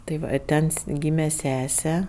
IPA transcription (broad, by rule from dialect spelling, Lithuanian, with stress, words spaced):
tɐɪ ˈʋɐ ˈtʲɛn s ˈɡʲiːmʲɛ ˈsʲæːsʲɛ